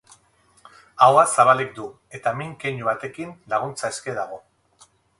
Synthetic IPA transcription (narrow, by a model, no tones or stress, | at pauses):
awasaβ̞alek̚d̪u | e̞t̪amiŋkeɲuβat̪e̞kinlaɣ̞unt͡saeske̞ðaɣ̞o̞